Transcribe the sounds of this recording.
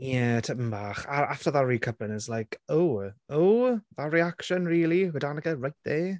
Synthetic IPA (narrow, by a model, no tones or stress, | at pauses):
jɛtʰəpəmbaːχaɾaftəðaɹiːkʰəpənəslajkʰowowðaɹiakʃənɹiːlˠiwɛdanəɡəɹajt̚ðeː